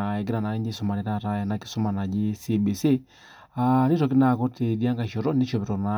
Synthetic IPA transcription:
ɛ˨ɡi˦ɾa˨na˨i˦ɲd͡ʒi˦sɔ˨ma˨ni˨˦ɾa˦ɾa˦ja˨na˦ki̥˦sɔ˦ma˨na˨d͡ʒi˦si˦bi˨si˦ | a˨ni˦ɾɔ˨ki˦na˨ko˦ti˨di˦a˦ŋɡa˨ʃo˨ɾɔ˦ndi˦ʃɔ˨bi˨ɾɔ˨na˨˦

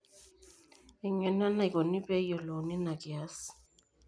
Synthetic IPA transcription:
ɛ˨ŋɛ˨na˦na˨i˨kʼɔ˨ni˦pɛ˦jɔ˨lo˨ni˦na˨ki˨a˦s

